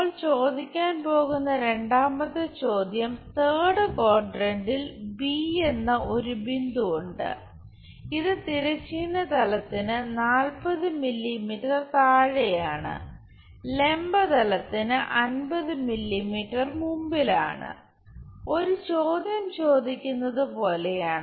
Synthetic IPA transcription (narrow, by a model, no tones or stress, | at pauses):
ɭt͡ɕo̞ːd̪ikʲːaːnpo̞ːɣunːɐɾe̞ɳɖaːmɐðɨt͡ɕo̞ːd̪ʱjɐmt̪eːɽɨkoːrɖrɐnɖilbiːe̞nːɐʔo̞ɾubind̪uuɳɖɨ̰ | iðɨt̪iɾɐt͡ɕːinːɐt̪ɐlɐt̪ːinɨnaːlpɐðɨmilːimiːʈːɐrt̪aːɻejaːɳɨ̰ | le̞mbɐt̪ɐlɐt̪ːinɨʔɐnbɐðɨmilːimiːʈːɐrmumbila̰ːɳɨ̰ | o̞ɾut͡ɕo̞ːd̪jɐmt͡ɕo̞ːd̪ʱikʲːunːɐðɨpo̞ːlejaːɳ